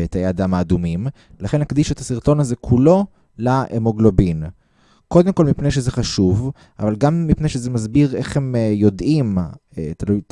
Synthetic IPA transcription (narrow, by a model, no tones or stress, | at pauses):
etajead̪amaːd̪umim | laχenakd̪iʃuet̪asiʁt̪o̞nazekʰulo̞ | laemoɡlobin | ko̞d̪emko̞lmipne̞jʃezeχaʃuv | ʔa̰valɡamːipne̞jʃezemazbiʁe̞χhe̞mjo̞d̪ʔimt̪alujt